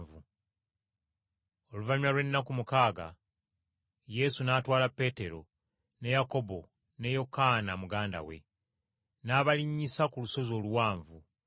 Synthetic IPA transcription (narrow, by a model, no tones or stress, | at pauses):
vu | o̞luvaɲwalwe̞nːakumukaːɡa̰ | je̞sunaːtwaːlapːe̞ːte̞ɾo̞̰ | ne̞jako̞bo̞ | ne̞jo̞kanamuɡaːnda̰we̞̰ | naːβaliɲːisakuluso̞zo̞ːluwaːɱvu